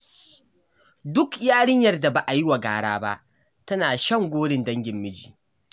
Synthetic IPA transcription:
dʊ˦kjaː˦ɽɪ˦ɲjɐ˨rda˨ba˨ʔa˨ji˦wa˨ɡaː˦ɽaː˦ba̰˦ʔ | tɐ˦naː˨ʃɐ˦˨ŋɡʷoː˦ɽɪ˨ndɐ˦ŋɡʲɪ˨mːɪ˦d͡ʒiː˨

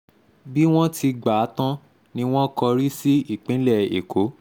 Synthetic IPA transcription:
bi˦w̃ɔ̃˦tʰi˧ɡ͡ba˨˦tã˦ | nĩ˧w̃ɔ̃˦kɔ˧ɾi˦si˦i˦˨k͡pĩ˨˦lɛ˦˨ḛ˨ko˨˦

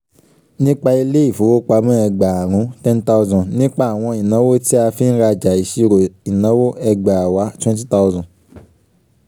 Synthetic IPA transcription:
nĩ˦k͡pa˧i˧le˦i˦˨fo˨˦wo˦k͡pa˧˦mũ˦ɛ˧ɡ͡ba˨a˨ɾ̃ũ˨˦tɛ̃˦nta˧zɔ̃˨nĩ˦k͡pa˦a˨w̃ɔ̃˧i˨nã˨˦wo˦ti˦a˧fi˦ñ̩˦ɾa˧d͡ʒa˨i˨ʃi˧ɾo˨i˨nã˨˦wo˦ɛ˧ɡ͡ba˨a˨wa˨˦twɛ̃˦nt̬i˦ta˧u˧zɔ̃˨

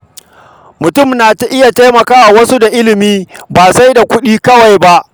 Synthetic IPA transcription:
mʊ˨tʊ˦˨mnaː˨ta˦ʔɪ˦ja˨ta˦jmɐ˨kaː˦wa˨wɐ˦su˦da˨ʔɪ˦lɪ˨miː˦baː˨sa˦jda˨kʷʊ˦ɗiː˦kɐ˦wa˨jba˦ʔ

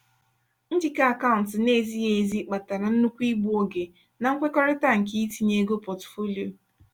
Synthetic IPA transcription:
n̩˦d͡ʒi˦ka˦a˦˨ka˦ʊ˨n̩˨tɪ˨ne˦˨zi˦je˨zi˦k͡pa˨ta˨ɾa˨n̩˦nu˦kʷi˦ɡ͡bu˦o˨ɡe˨ | na˨ŋ̩˦kʷe˦kɔ˦ɾɪ˦ta˦ŋ̩˨k̬i˦i˦ti˨ɲe˨˦ɡo˦pɔ˨tfo˦li˨o˨

